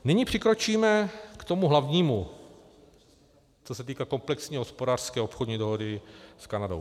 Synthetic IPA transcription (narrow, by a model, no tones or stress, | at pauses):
nɪɲiːpr̝̥ɪkɾo̞t͡ʃiːmɛkt̪o̞muɦlavɲiːmu | t͡sosɛt̪iːkako̞mplɛksɲiːɦospodaːr̥skɛːopxodɲiːdoɦo̞dɪskanado̰w